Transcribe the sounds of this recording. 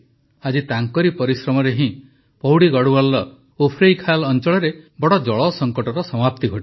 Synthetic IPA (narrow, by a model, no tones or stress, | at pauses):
ad͡ʒit̪aŋkɔɾipɔɾisɾɔmɔɾeɦĩ | pɔɦuɽiɡɔɽualːɔ | opʰɾejkʰalɔnt͡ʃɔɭɔɾebɔɽɔd͡ʒɔɭɔsɔŋkɔʈɔɾɔsɔmap̚t̪iɡʱɔʈi